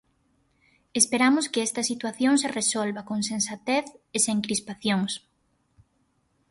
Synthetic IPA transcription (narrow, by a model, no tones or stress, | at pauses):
espeɾamʊskɪɛst̪ɐsit̪waθjoŋseresɔlβɐkoŋsensat̪eθeseŋkɾispaθjoŋs